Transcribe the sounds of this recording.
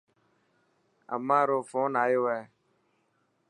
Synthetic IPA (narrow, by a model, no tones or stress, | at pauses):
a̰maɾʊfʊnaɪwɛ